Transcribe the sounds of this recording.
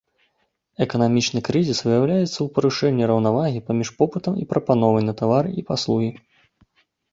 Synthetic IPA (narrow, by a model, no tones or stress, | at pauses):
ɛkɐnamʲit͡ʂnɨkɾɨzʲisvɨjawlʲajɛt̪sːɐwpɐɾuʂɛnʲːiɾɐwnavaɣʲipamʲiʂpɔpɨt̪ɐmḭpɾɐpan̪ɔvɐjnɐt̪avaɾɨipaslˠuɣʲi